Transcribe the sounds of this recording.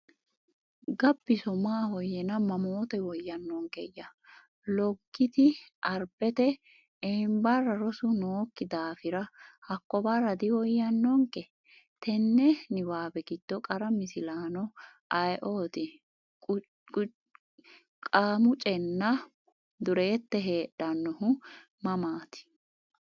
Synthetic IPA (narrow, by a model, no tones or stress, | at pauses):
ɡɐbːɪsɔmaːhɔjɛnɐmɐmoːt̪ɛwɔjːɐnːɔŋkɛjːɐ | lɔɡːɪt̪ɪʔɐɾb̥ɛt̪ɛ | embɐrːɐɾɔsʊnoːkːɪd̪aːfɪɾɐhɐkːɔbɐrːɐd̪ɪwɔjːɐnːɔŋkɛ | t̪ɛnːɛnɪwaːbɛɡɪt̪ːɔkʼɐɾɐmɪsɪlaːnɔʔɐjʔoːt̪ɪ | kʼaːmʊt͡ʃʼɛnːɐ | d̪ʊɾeːt̪ːɛɦe̞ːɗɐnːɔɦʊ | mɐmaːt̪ɪ̥